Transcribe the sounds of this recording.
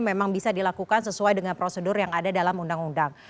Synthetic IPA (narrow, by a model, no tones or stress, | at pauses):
memaŋbisadilakukansəsuajdəŋanpɾosədʊrjaŋadadalamundaŋundaŋ